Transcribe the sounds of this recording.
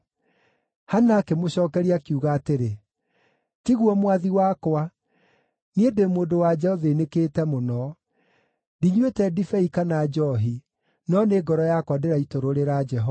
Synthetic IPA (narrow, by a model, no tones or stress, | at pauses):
hanakemoɕɔːkɛɾiakiuɣaːteɾe | tiɣwɔmwaðiwakwa | niedemoːndowad͡ʒɛɔðenekeːtɛmonɔ | diɲwetɛdifɛikanad͡ʒɔɦi | nɔneɡɔɾɔjakwadeɾaitoɾoɾeɾad͡ʒɛɦɔ